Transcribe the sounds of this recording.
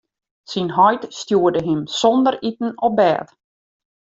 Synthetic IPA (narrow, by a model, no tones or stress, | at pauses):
sinɦɔjtstjuədəɦɪmsɔndəritn̩ɔp̚bɛːt